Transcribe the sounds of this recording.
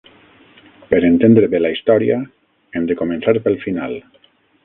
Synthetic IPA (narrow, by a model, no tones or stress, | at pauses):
peɾent̪end̪ɾeβelaist̪ɔɾia | emd̪ekomẽnsaɾpelˠfinal